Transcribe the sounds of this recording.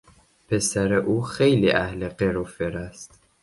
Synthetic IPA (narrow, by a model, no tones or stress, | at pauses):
pʰe̞sæɾeʔuːxejlḭːʔæhleɢeɾofeɾæst̪